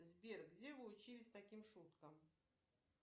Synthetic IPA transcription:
zʲbʲerɡdʲevɨʊt͡ɕilʲɪsʲt̪ɐkʲimʂut̪kəm

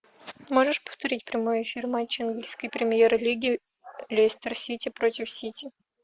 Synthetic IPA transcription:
moʐɨʂpə̥ft̪ɐɾʲitʲpɾʲɪmojɪfʲirmat͡ɕːɪnɡʲilʲsʲkəjpɾʲɪmʲjeɾɨlʲiɡʲɪ | lʲesʲt̪ʲərsʲitʲɪpɾotʲɪfsʲitʲɪ

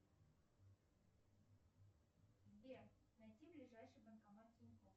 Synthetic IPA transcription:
bʲe | nɐjtʲiblʲɪʐajʂɨjbənkɐmat̪t̪ʲɪnʲɪkof

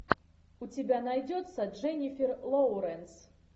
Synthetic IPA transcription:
ut͡sʲibʲanajd͡zʲɔt̪sɐʐɛnʲifʲɛrlˠɔwɾɛns

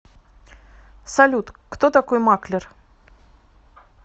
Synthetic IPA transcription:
salʲut̪kt̪ot̪akojmaklʲɪr

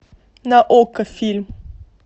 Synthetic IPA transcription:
naʔokəfilm

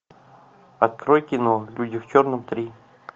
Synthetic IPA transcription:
ɐt̪̚kɾojkʲɪnolʲudʲɪft͡ɕornɨmt̪ɾʲi

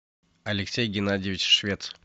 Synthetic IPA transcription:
ɐlʲɪksʲejɡʲɪnadʲɪvʲɪt͡ɕʂvʲet̪s

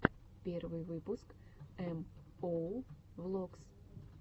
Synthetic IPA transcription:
pʲervɨjvɨpʊskɛm | o | vlˠoks

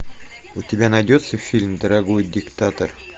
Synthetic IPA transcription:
ut̪ʲɪbʲænɐjdʲot̪səfʲilʲmd̪ə̆ɾaɡojd̪ʲɪkt̪at̪or

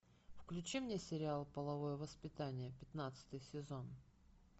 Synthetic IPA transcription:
fklʲʉt͡ɕimnʲesʲɪɾʲɪalˠpəlˠɐvo̞jəvəspʲɪt̪anʲɪjəpʲɪt̪nat̪sɨ̥t̪ɨjsʲɪzo̞n

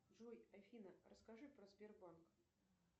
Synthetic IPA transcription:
ʐujɐfʲinərəskaʐɨpɾəzbʲerbank

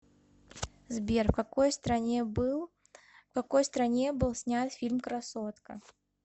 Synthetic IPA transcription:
zbʲɛrfkakɔjst̪ɾa | kakɔjst̪ɾanʲɛbɨlˠsʲnʲat̪fʲilʲmkɾasɔt̪kɐ̰

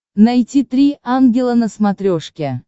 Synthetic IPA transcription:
najtʲit̪ɾʲiʔanɡʲɪlˠənəsmat̪ɾʲoʂkʲe

